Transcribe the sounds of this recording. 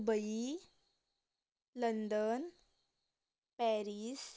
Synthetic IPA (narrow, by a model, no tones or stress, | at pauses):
bəi | lənd̪ən | pɛɾis